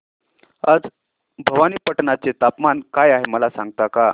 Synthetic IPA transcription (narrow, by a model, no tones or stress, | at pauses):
ad͡z | bʱəʋaniːpəʈnat͡set̪apmankajaɦeməlasã̰ŋɡ̚t̪aka